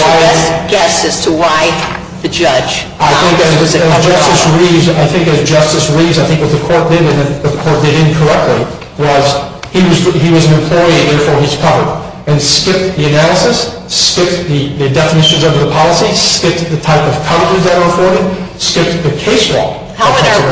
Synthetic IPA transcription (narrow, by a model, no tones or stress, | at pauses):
aɛɡ̥ɛsɨz̥tʰəwaɪ | ðɨd͡ʒʌ̥d͡ʒʒ̥ | aɪθɪ̃ŋkɨzɨzd͡ʒʌstɨsɹiza̰ɪθɪ̃ŋkɨzd͡ʒʌstɨsɹivzaɪθɪ̃ŋkwʌt̪̚ðɨkʰɔɹt̚d̥ɪɾɨ̃nɨ̃nðɨkʰɔɹt̚d̥ɨɾɨ̃nkʰə˞ɛk̚tʰˡli | wʌz̥ | iwʌziwʌz̃nɨ̃mpʰl̥ɔɪðɛɹfɔɹiz̥kʰʌvə˞d | ɨ̃nskɪp̚ðiɨnælˠəsɨs | skɪp̚ðɨðɨdɛfənɪʃɨ̃n̩zovə˞ðəpʰɑlˠəsiskɪp̚ðɨtʰaɪpʌv̥kʰʌvəd͡ʒəzðɨɾə˞əfɔɹɾɨd̚skɪp̚ðɨkʰeɪswɔ̰ | hʌ